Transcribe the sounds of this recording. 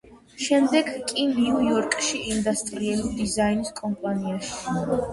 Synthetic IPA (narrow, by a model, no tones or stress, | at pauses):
ʃɛmd̪ɛɡkʼiniujɔɾkʼʃiʔːnd̪ast̪ʼɾiɛlid̪izainiskʼɔmpʼaniaʃi̥